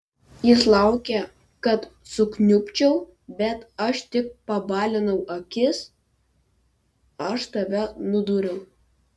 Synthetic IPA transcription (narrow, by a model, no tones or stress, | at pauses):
jɪslˠɑˑʊkʲɛ | kɐt̪sʊknʲʊpʲt͡ʃʲɛʊ | bʲɛt̪ɐʃt̪ʲɪk̚pɐbɑːlʲɪnɐʊʔɐkʲɪs | ɐʃt̪ɐʋʲɛnʊd̪uːɾʲɛʊ